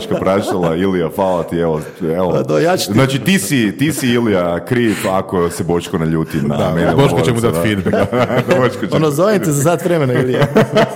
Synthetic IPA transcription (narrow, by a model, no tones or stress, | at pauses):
t͡ʃkapɾat͡ʃt̪alailijafaːlˠat̪ieʋo | eod̪ojat͡ʃe̥znaːt͡ʃit̪isit̪isiilijakɾiːfakosebo̞ʃkonaʎuːt̪imna̰meniboʃkot͡ʃemud̪at̪fid̪bɛkboʃkot͡ʃenozoʋimt̪ezazat̪ʋɾemenailia